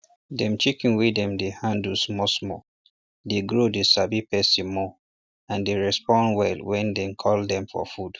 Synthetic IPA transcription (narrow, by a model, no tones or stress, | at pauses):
dɛ̃mt͡ʃikĩnwedɛ̃mdehãndsmɔsmɔ | deɡɹodesabipɛsĩmɔ | ãndeɹɛspɔ̃nwɛlwɛ̃ndɛ̃kʰɔldɛ̃mfɔ̰fud̥